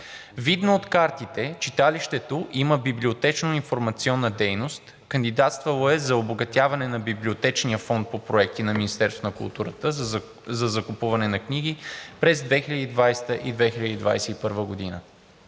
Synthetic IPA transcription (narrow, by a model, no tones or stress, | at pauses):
vid̪noːt̪kaɾt̪it̪ɛt͡ʃit̪aliʃt̪ɛt̪oʔiməbiblʲiot̪ɛt͡ʃnoinfoɾmɐt̪siɔnːəd̪ɛjnost̪ | kɐnd̪id̪at̪st̪vəlˠoɛzɐoboɡɐt̪ʲjavɐnɛnɐbiblʲiot̪ɛt͡ʃnijəfɔnt̪̚popɾoɛk̚t̪inɐminist̪ɛɾsonɐkṵlˠt̪uɾət̪ə | zɐzɐkupuvɐnɛnɐkniɡ̟ipɾɛzd̪vɛxilʎəd̪id̪vajst̪əʔid̪vɛxiləd̪iːd̪vajsɛipɤɾvəɡod̪inə